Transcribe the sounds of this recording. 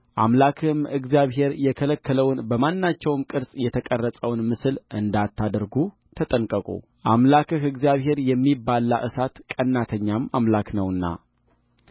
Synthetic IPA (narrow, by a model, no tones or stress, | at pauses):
ʔamlakʰɨmɨɡzijaβɦe̞ɾjɛkʰələkʰːələwnbəmanːat͡ʃːɛwmkʼɨɾsʼjɛt̪ʰəkʼərːəsʼəwnmɨsɨlʔɨnd̪at̪ʰːad̪ɾɡu | t̪ʰət̪ʼənkʼəkʼṵ | ʔamlakɨɦɨɡzijaβɦe̞ɾjɛmːibːalːaʔɨsat̪kʼənːat̪ʰəɲːamamlaknəwɨnːa̰